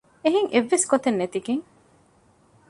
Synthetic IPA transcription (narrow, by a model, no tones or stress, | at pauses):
eɦiŋʔeʋːeskot̪enːet̪iɡeŋ